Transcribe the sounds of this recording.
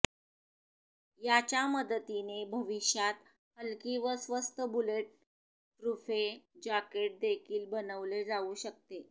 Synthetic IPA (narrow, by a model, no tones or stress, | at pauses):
jat͡ɕjaməd̪ət̪inebʱəʋiɕjat̪ | həlkiʋəsʋəst̪əbuleʈ̚ː | ɾufed͡ʑakeʈ̚d̪ekʰiːlbənəʋled͡zauːɕək̚t̪e